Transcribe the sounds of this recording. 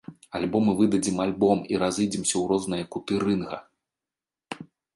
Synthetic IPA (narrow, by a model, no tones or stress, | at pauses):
alʲbɔmɨvɨd̪ɐd͡zʲimalʲbɔmiɾazɨjd͡zʲɛmsʲɐwrɔznɐjɐkut̪ɨɾɨnɣɐ̰